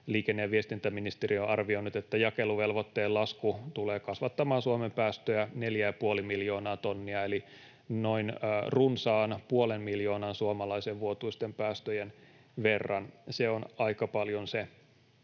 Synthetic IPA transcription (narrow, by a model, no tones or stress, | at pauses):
liːkenːeæʋiest̪int̪æminist̪erioʔɑrʋionut̪et̪ːæjɑkeluʋelʋot̪ːeːlɑskut̪uleːkɑsʋɑt̪ːɑmɑːnsuɑmempæːst̪øjæne̞ljæjɑpuolimiljo̞ːnɑːt̪o̞nːiɑeli | noinrunsɑːnpuolemmiljo̞ːnɑnsuɑmɑlɑiseʋʋuot̪uist̪empæːst̪øjen | ʋe̞rːɑnseonɑikɑpɑljonse